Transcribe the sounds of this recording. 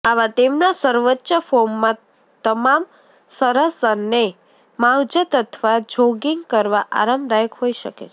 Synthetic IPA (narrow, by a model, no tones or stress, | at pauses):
aʋat̪emnasəɾʋətːʃəfomːã | t̪əmam | səɾəsəne | mãwd͡ʒət̪ət̪ʰʋad͡ʒʱoɡiŋɡkəɾʋaʔa̰ɾəmbd̪ajəkɦoiʃəkḛt͡ʃʰe